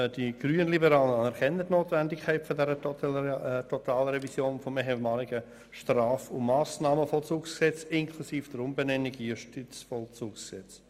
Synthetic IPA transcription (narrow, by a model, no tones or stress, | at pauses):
d̥iɡ̥ryːənlibəɾaːlənɑnɛɾkʰɛnːətnoːtvɛndɪkʰɛɪtfɔdɛɾə | tʰɔtaːlɾɛvisjoːnfɔmɛɦɛmɑːlɪɡə | ʃtraːfʊmːaːsnɑːməfɔlt͡suːksksɛt͡sɪnkʰlusiːfd̥əɾʊmbɛnɛnːiɡijuʃtit͡sfɔlt͡suːksksɛt͡s